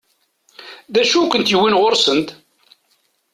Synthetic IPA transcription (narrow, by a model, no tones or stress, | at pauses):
ðæʃukʷənt̪jəwːinʁoɾsənt̪